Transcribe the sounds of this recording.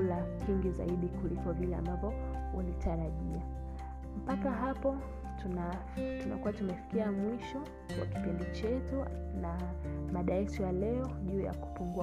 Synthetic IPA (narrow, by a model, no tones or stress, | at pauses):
lahiŋɡiza̰iɗikulikɔvilɛa̰mbavɔulitʰaɾaʄia | m̩pakaɦapɔ | tna | tunakuwatumɛfi̥kiamwiʃɔ | wa̰ki̥pindit͡ʃɛtu | namaɗaɛsɔjalɛɔʄuːja̰ku̥puŋɡu